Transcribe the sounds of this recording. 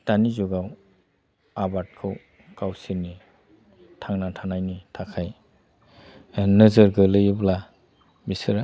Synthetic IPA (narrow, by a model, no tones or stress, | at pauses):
tanizɔɡaw | abat̚kʰɯw | kawsiɾni | tʰaŋnatʰanajnitʰakʰaj | nəzəɾɡɯlɯjɯbla | bisɯɾ